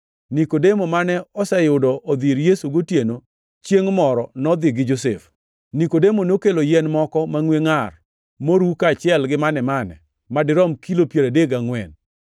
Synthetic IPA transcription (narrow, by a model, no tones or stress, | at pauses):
nikodemomanɛɔsɛjʊdɔʔːd̪iɾjesuɡotjeno | t͡ʃjeŋmɔɾɔnɔd̪ɪɡɪd͡ʒosɛf | nikodemonokelojɛnmɔkɔmaŋweŋar | moɾukat͡ʃɪɛlɡɪmanɛmanɛ̰ | madɪɾɔmkilopjeɾadeɡaŋwɛn